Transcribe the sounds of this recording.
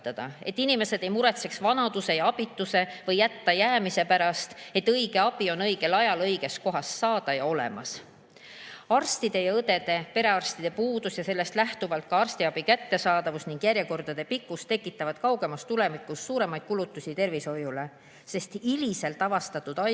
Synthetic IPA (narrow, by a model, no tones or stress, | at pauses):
t̪ːɑd̪̥ɑe̞t̪ːˑinime̞se̞d̪̥e̞jmuɾe̞t̪se̞ksvɑnɑd̪̥use̞jɑɑb̥it̪ːˑuse̞vɤjːæt̪ːɑjæːmise̞pæɾɑst̪e̞t̪ːɤjɡ̥e̞ɑb̥io̞nɤjɡe̞lɑjɑlɤjɡ̥e̞sko̞ɦɑsːɑːd̪̥ɑjɑo̞lḛmɑ̰s | ɑrst̪id̪̥e̞jɑɤd̪̥e̞d̪̥e̞pe̞ɾe̞ɑrst̪id̪̥e̞puːd̪̥usjɑse̞lːe̞st̪læht̪uvɑlt̪̚kɑɑrst̪iɑb̥ikæt̪ːe̞sɑːd̪ɑvusniŋɡ̥jæɾjeko̞rd̪̥ɑd̪̥e̞pikːˑust̪ːekːˑit̪ːˑɑvɑd̪̥kɑwɡ̥e̞mɑst̪ule̞mikːˑusːuːɾe̞mɑjd̪̥kulut̪ːˑusʲit̪e̞rviso̞jule̞ | se̞st̪ilise̞lt̪ːˑɑvɑst̪ɑt̪ːˑud̪̥ɑ